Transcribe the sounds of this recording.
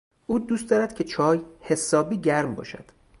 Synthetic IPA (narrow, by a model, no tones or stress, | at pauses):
ʔuːd̪uːst̪d̪ɒːɾæd̪̥cʰe̞t͡ʃʰɒːjhe̞sɒːbiːɟæɾmbɒ̰ːʃæ̰d̪̥